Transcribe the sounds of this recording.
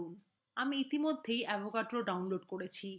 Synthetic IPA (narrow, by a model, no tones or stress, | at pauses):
un | amiit̪imod̪ʱːejɛbʱokaʈɾoɖawnloɖkoɽet͡ɕʰi